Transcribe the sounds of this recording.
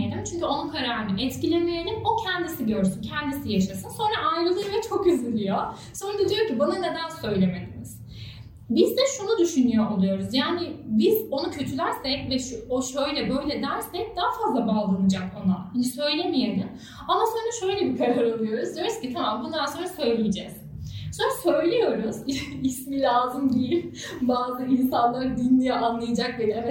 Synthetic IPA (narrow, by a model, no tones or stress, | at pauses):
elʲimt͡ʃʰyɲcyo̞nunkʰaɾaɾɯnɯʔɛt̪cilʲe̞mijelʲino̞cʰɛnd̪isiɟøɾsyncʰɛnd̪isijaʃasɯnso̞nɾaʔajɾɯlˠɯɾvɛt͡ʃʰo̞kyzylʲijo̞ | so̞nɾad̪ad̪ijo̞ɾcibananed̪ænsø̞jlʲe̞me̞lʲimiz̥ | bizd̪ɛʃunud̪yʃynyjo̞ʔolˠujo̞ɾuzjaːnɪbiz̥o̞nucʰø̞t̪ʰylæɾsɛcvɛʃuoʃøjlʲɛbø̞jlʲɛd̪æɾsɛc̚d̪aːafazlˠabaːlˠɯnɯd͡ʒako̞nahind̪isø̞jlʲemijelʲim | amaso̞nd̪aʃøjlʲɛbikʰaɾaɾolˠujo̞ɾuzd̪ijo̞ɾuscit̪ʰamambund̪anso̞nɾasø̞jlʲijed͡ʒɛz̥ | sonɾasø̞jlʲejo̞ɾuzismilʲaːzɯmɟijip | baːzɯinsanlˠaɾd̪inlijɛʔanlˠajad͡ʒak̚belʲɛ